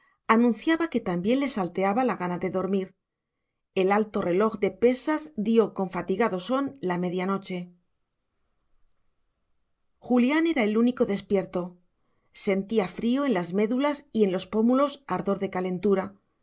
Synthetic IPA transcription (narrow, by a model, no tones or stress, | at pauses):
anũnθjaβake̞t̪ambje̞nle̞salt̪e̞aβalaɣanaðe̞ðo̞ɾmiɾ | e̞lalt̪o̞re̞lo̞xðe̞pe̞sazd̪jo̞ko̞ɱfat̪iɣaðo̞so̞nlame̞ðjano̞t͡ʃe̞ | xuljane̞ɾae̞luniko̞ðe̞spje̞ɾt̪o̞ | se̞nt̪iafɾio̞e̞nlazme̞ðulasie̞nlo̞spo̞mulo̞saɾðo̞ɾðe̞kale̞nt̪uɾa